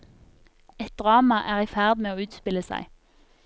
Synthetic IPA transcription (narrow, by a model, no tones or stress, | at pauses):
ɛt̪̚d̪ʁɑːmɑʔæːʁiːfæʁd̪meːoːʉːt̪spɪləsæ̰ɪ